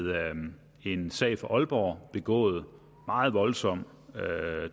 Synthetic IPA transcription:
ðˠ | e̝nsɛ̰ɪ̰fɒʔɒ̽lb̥ɒ̰b̥e̝ɡ̥ɔ̰̽ːð̞̩ˠ | mɑ̈ːð̩ˠʋɒ̽lsɒ̽m̰ | ø

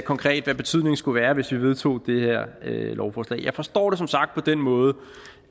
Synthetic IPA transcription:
kʰɒ̽ŋkʰʁɛ̰ːd̥ʋæb̥e̝t͡sʰyðˠne̝ŋsɡ̥uʋæːɐʋe̝sʋiʋe̝ð̞ˠt͡sʰo̝̰ːd̥e̝heɐ̰ølɒʊfɒːslɛ̰ɪjɑ̈ɪfɒ̽sd̥ɒ̰ːɾe̝s̬ɒ̽msɑ̈ɡ̥̚d̥̚pʰɒ̽d̥enmɔ̽ːð̞̩ˠ

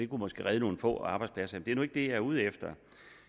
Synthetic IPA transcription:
d̥e̝kʰumɒ̽sɡ̥e̝ʁɛðˠno̝ːn̩fɔ̰̽ːɑ̈b̥ɑ̈ɪ̥spʰlæsɐemnd̥eæɐnoeɡ̥̚d̥e̝jææɐuð̞ˠefd̥ɐ

